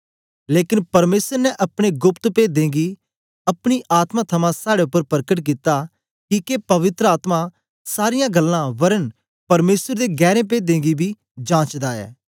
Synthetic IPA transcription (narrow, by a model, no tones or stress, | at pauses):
leːkɪnpɐɾmeːsəɾnɛʔɐpɽ̃eɡʊpt̪peːd̪ẽːɡi | ɐpɽ̃iʔaːt̪mãt̪ʰɐmãsaːɽeʊpːəɾpəɾkəʈ̬k̬it̪a | kiːkepɐʋɪt̪ɾəaːt̪mã | saːɾɪjãɡɐlːãʋɐɾən | pɐɾmeːsəɾd̪eɡɛːɾẽp̬eːd̪ẽːɡibʱi | d͡ʒãːt͡ʃd̪aːɛ̰ː